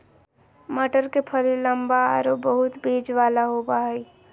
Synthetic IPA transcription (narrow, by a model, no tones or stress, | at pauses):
məʈəɾkepʰəlləmbaa̰ːɾobəɦʊt̪beːd͡ʒʋaːlaɦoːbaɦɛi